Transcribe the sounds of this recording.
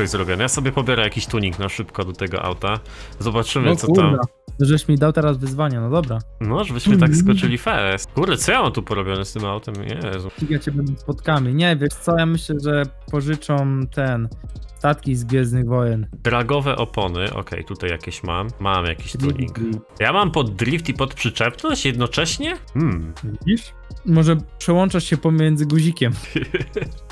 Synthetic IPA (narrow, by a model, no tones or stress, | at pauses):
ɔɕzɾɔbʲjɔnɛjasɔbʲjɛpɔbʲjɛɾɛjakʲiɕt̪uɲiknaʂɘpkɔd̪ɔt̪ɛɡɔ̰ʔa̰wt̪a | zɔbat͡ʂɘmsɔtuɾama | t̪ɔʐɛbɘɕmʲid̪awt̪ɛɾazvɘzvaɲanɔd̪ɔbɾanɔʐɛbɘɕmɘt̪akskɔt͡ʂɛlʲifɛɾɛsɡuɾd̪ɛtsɔjamamt̪upɔɾɔbʲjɔnɛst̪ɘmawt̪ɛmɲɛ̰zpʲiɡat͡ɕɛbɛnd̪ɛspɔt̪kamʲiɲɛvʲjɛʂt̪sɔjamɘɕlɛʐɛpɔʐɘt͡ʂɔmt̪ʰɛnst̪at̪̚kʲizɡvʲjɛznɘɣvɔjɛnd̪ɾaɡɔvɛʔɔpɔnɘ̰ʔɔ̰kʰɛ̰jt̪ut̪ajja̰kʲɛɕma̰mːamja̰kʲiɕt̪ʲivʲḭɡɾi | jamampɔd̪̚ːɾʲift̪ipɔt̪pʂɘt͡ʂɛpnɔɕt͡ɕjɛd̪nɔt͡ʂɛɕɲɛm̩vʲid͡ʑiʂ | mɔʐɛpʂɛwɔnt͡ʂaʂɕɛpɔmʲjɛnd̪zɘɡuʑikʲɛm